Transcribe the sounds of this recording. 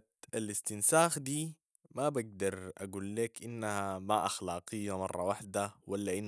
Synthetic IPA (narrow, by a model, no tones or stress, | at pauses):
alist̪ɪnsaːxd̪iː | mabaɡ̚d̪ɑɾˤʔa̰ɡuːlːeːkʔinːahamaʔɑxlɑːqɨjːamɑ̰rˤːɑwaħd̪awalːaʔinː